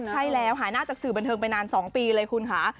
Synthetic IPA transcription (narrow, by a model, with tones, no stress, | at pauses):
t͡ɕʰa˥˩jlɛː˦˥wɦaː˩˦naː˥˩t͡ɕaː˨˩k̚sɯː˨˩ba˧nt̪ʰɤː˧ŋp̬a˧jnaː˧nsɔː˩˦ŋpiː˧lɤː˧jkʰu˧nkʰa˦˥